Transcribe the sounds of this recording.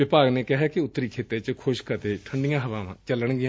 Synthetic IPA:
ʋɪpaːɡneːkɪɦɛkɪʊt̪ːɾiːkʰeːt̪eːt͡ʃkʰʊʃkət̪eːʈʰəɳɖɪjãːɦəʋãːʋã̰ːt͡ʃələɳ̃ɡɪã

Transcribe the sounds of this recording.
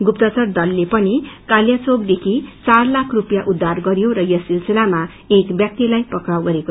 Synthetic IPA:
ɡupt̪ʌt͡sʌrd̪ʌlːepʌnikaljat͡sob̚d̪ekʰit͡sarlakʰrupjaʔud̪ʱːarɡʌɾjoɾʌjʌsilselama | ekbjak̚t̪ilajpʌkɾawɡʌɾeko

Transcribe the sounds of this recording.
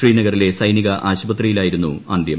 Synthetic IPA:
riːnɐɣɐrile̞sɐjniɣɐʔaːɕubɐt̪rijilaːjiɾunːuaːnd̪jɐm

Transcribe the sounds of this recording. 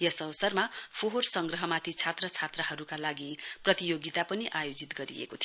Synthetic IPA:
jʌsʌbʌsʌrmapʰoɦorsʌŋɡrʌɦʌmat̪ʰit͡sʰat̪rʌt͡sʰat̪rʌɦʌɾukalaɡiprʌt̪ijoɡit̪apʌniʔajod͡zit̪ɡʌɾḭḛkot̪ʰi

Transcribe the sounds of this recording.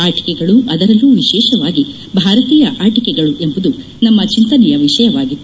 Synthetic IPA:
aːʈi̥kɛɡɐɭuʔɐd̪ɐɾɐlːuːʋiʃɛːʃɐʋaːɡi | bʱaːɾɐt̪iːjɐʔaːʈikɛɡɐɭuʔe̞mbud̪u | nɐmːɐt͡ʃint̪ɐnɛjɐʋiʂɐjɐʋaːɡit̪ː

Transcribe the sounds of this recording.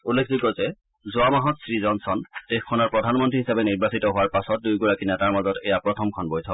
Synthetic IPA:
ulːek̚ʰzikɔzɛ | zʊamaɦɔtsɹizɔnsɔndexkʰːɔnɔɹpɹɔdʱanmɔntɹiɦisabɛniɹbasitɔɦʊaɹpasɔt̚dujɡɔɹakinɛtaɹmazɔtɛjapɹɔtʰɔmkʰɔnbɔjtʰɔ

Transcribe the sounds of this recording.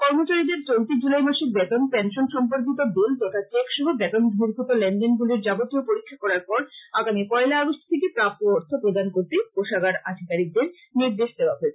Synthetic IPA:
kɔɾmot͡ɕaɾid̪eɾt͡ɕolt̪id͡ʑulajmaʃiɾbɛt̪onpɛnʃonʃɔmpoɾk̬it̪̬od̪ult̪oʈat͡ɕekʃɔɦobɛt̪onbʱiɾɡʱut̪olɛɳɖenɡuleɾd͡ʑabot̪ːiopoɾikʰːakɔɾaɾpɔɾaɡamikɔelaaɡoʃt̪ʰt̪ʰekepɾap̚t̪ooɾt̪ʰopɾod̪ʱankoɾt̪epoʃaɡaɾa̰d̪ʱikaɾik̚d̪eɾ | niɾd̪eʃd̪eoaɦoe

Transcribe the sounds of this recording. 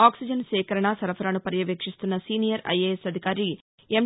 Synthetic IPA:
aːksid͡ʒɐnsɛːkɐɾɐɳɐsɐɾɐfʰɐɾaːnupɐɾjɐʋeːkʂist̪unːɐsiːnijɐɾɐ̰jeːesɐd̪ʱikaːɾi | em

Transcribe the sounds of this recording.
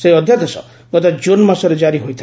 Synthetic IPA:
seiɔd̪ʱjat̪ɔsɔ̰ | ɡɔt̪ad͡ʒonmasɔɾed͡ʒaɾiɦojt̪ʰi

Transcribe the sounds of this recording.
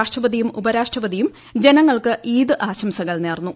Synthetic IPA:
aːʂʈrɐbɐðijumubɐɾaːʂʈrɐpɐðijum | d͡ʑenɐŋːɐɭkɨʔiːd̪ɨʔaːɕɐmsɐɣɐɭneːrnːu

